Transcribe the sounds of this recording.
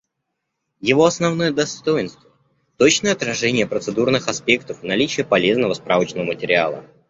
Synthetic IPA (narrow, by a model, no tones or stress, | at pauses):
jɪvo̞ɐsnɐvnojəd̪ɐst̪o̞jɪnst̪və | t̪o̞t͡ɕnəjəɐt̪ɾɐʐɛnʲɪjəpɾət̪sɨd̪urnɨxɐspʲe̞kt̪əfnɐlʲit͡ɕɪjəpɐlʲe̞znəvəspɾavət͡ɕnəvəmətʲɪɾʲɪa̰lˠə̰